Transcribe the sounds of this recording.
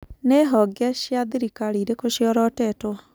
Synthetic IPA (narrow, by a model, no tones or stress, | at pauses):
neɦɔɡaɕjaðiɾikaɾiːɾekoɕjɔɾɔtɛtwa